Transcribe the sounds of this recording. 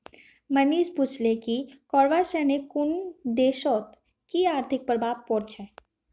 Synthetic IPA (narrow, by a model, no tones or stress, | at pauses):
mɐniːʃpʊt͡ʃlekikɔːɾʋaːʃɛːnekʊnd̪eːʃɔːt̪ | kiaːɾt̪ʰɪk̚pɾəbʱaːʋpɔːɾt͡ʃʰɛː